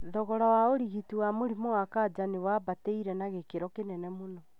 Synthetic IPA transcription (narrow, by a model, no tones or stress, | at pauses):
ðɔɣɔɾawaoɾiɣitiwamoɾimoakad͡ʒanewabateiɾɛnaɣekeɾɔkenɛnɛmonɔ